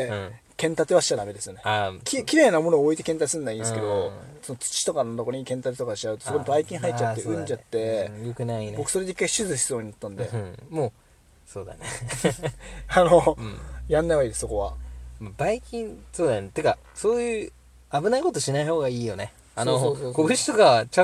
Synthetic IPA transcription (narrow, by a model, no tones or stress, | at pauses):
kẽ̞nt̪at̪eβaɕi̥ad̪ame̞d̪e̞sɨjo̞ne̞akʲʰikʲiɾe̞ːnamonooːit̪e̞kẽnt̪aisɨ̃nd̪aĩnd̪esɨke̞d̪o̞so̞not͡sɨ̥t͡ɕi̥t̪o̞kanot̪okoɾoɲ̟ikẽnt̪at̪et̪okaɕaɯ̟t̪osokoɲibaikʲĩɰ̃ɦait͡ɕːat̪ːeɯ̟̃ɲd͡ʑat̪ːe̞jokɯ̟naibo̞kɯ̟soeeikːaiɕɨzɨɕi̥soːɲ̟inat̪ːãnd̪e̞̰moː | soːd̪a̰ne | ano̞jãnːaβaid̪e̞sɨ̥soko̞βa̰mabaikʲĩnsoːd̪ant̪ːeka | soːjɯ̟ː | abɯnaiko̞t̪oɕinaiho̞ːɡaiːjo̞ne | anoookobɯ̟ɕi̥t̪okaat͡ɕa